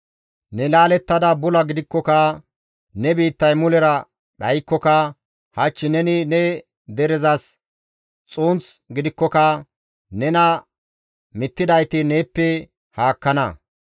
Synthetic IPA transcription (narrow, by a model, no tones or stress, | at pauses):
nɛlaːlɛt̪ːɐd̪ɐbʊlɐɡɪd̪ɪkːɔkɐ | nɛbiːt̪ːɐjmʊlɛɾɐ | ɗɐjkːɔkɐ | hɐt͡ʃːɪnɛnɪnɛ | d̪ɛɾɛzɐs | t͡sʼuːnt͡sɡɪd̪ɪkːɔkɐ | nɛnɐ | mɪt̪ːɪd̪ɐjt̪ɪneːpːɛ | haːkːɐnɐ̰